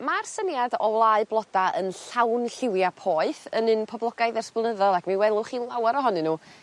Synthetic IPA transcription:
marsənjadɔwlˠaɨblˠɔdaənɬawnɬɪwjapʰɔːɨθənɨnpʰɔblˠɔɡajðɛrsplˠnəðɔlˠakʰmiwɛlˠʊχilˠawaɾɔɦɔnɨnuː

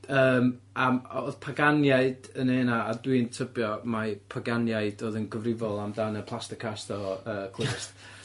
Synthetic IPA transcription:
əːm | aoːðpʰaɡanjaɨdəneːnaːdwintʰəbjɔmapʰaɡanjaɨd̥oːðənɡəvrɪvɔlˠamdanəpʰlˠastɪkʰastɔəːkʰlˠɪɪst

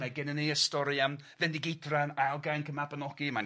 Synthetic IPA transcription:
maɡɛnənejəstɔɾiamvɛndɪɡejdranalˠɡajnkʰəmabənɔɡ̥iman

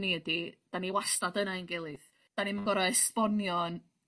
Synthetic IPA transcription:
niədid̥aniwastadənainɡɛlˠɨð | d̥animəɡɔɾɔɛspɔnjɔn

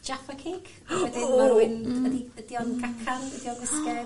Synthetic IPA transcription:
d͡ʒafakʰeːɡ | ɛdɪɪnədiədiɔnɡakʰanədiɔnɡɪskɛ

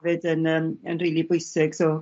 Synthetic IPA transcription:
vɨdənəːmə̰nrilˠibʊjsɪɡ̥so

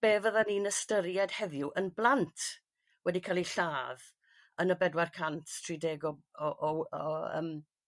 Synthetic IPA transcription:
b̥eːvəðaninəstəɾjɛd̥hɛðjʊʔənblˠantʰ | wɛdikʰaːlˠiɬaːð | ənəbɛdwarkʰantʰtʰrideːɡɔɔʔɔɔə̰ːm

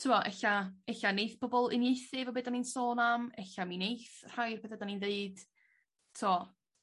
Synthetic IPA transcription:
tʰuwɔʔɛɬaɛɬanejθb̥ʰɔbɔlˠɪ̰njejθɨvɔbeːdaninsoːnamɛɬaminejθr̥ajrpʰeːθɛdaninðeɨd̥ | tʰuɔ

